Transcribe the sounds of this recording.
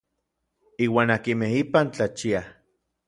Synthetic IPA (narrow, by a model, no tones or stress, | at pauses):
iːwaːnakimehipant͡ɬat͡ʃia